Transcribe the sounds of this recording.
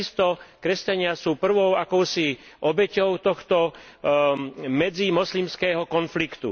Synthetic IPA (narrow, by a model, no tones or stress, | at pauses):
ist̪ɔkɾɛscaɲɪasuːpr̩ʋɔʊakɔʊsiʔɔbɛcɔʊt̪ɔxt̪ɔ | mɛd͡zimɔslimskɛːɦɔkɔnflikt̪ṵ